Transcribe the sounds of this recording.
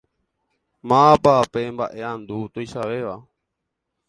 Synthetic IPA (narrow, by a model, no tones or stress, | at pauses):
mãpapembaʔe̞ãnd̪ut̪ojʃaʋeʋa